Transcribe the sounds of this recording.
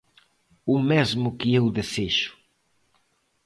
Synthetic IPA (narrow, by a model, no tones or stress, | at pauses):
ʊmezmʊkɪewðeseʃʊ̥